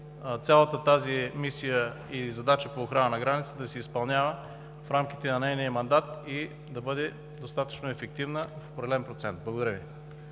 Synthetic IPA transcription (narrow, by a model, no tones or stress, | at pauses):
t̪sʲalˠət̪ət̪azimisijə | izɐd̪at͡ʃəpoːxɾanənɐɡɾanit̪səd̪ɐsɛispɐlˠnʲavə | fɾamkit̪ɛnɐnɛjniəmɐnd̪at̪i | d̪ɐbɤd̪ɛ | d̪ost̪at̪ə̥t͡ʃnoɛfɛk̚t̪ivnəfo̥pɾɛdɛlɛnpɾot̪sɛnt̪̚blˠɐɡod̪ɐɾʲəvi